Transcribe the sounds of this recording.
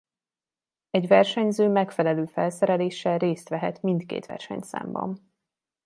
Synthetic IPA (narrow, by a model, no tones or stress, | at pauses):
ɛɟvɛrʃɛɲzøːmɛkfɛlɛløːfɛlsɛɾɛleːʃːɛlreːst̪ʋɛɦɛt̪mint̪kḛːt̪ʋɛ̰rʃɛ̰ɲt̪sa̰ːmbɒ̰m